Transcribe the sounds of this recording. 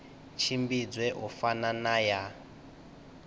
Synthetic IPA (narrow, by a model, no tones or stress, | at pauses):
t͡ʃʰimbid͡zwɛɦufananaja